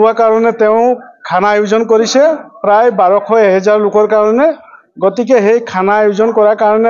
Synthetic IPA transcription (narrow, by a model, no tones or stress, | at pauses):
akaɹɔnɛt̪eʊ̃kʰanajuzɔnkɔɾisɛpɾajbaɹɔkʰɔeɦɛzaɹlʊkɔɹkaɹɔne | ɡɔt̪ikeɦejkʰanaːjuzɔnkɔɹakaɹɔne